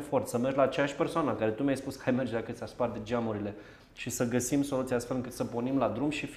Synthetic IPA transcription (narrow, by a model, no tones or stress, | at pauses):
fo̞rt̪səmerd͡ʒlaːt͡ʃejaʃʲpe̞rsoanəkaɾe̞t̪umʲajspuskəajmerd͡ʒd̪akət̪sʲaspard̪ed͡ʒamuɾile̞ | ʃisəɡəsimso̞lut̪iaast̪felɨŋkɨt̪səponimlad̪ɾumʃif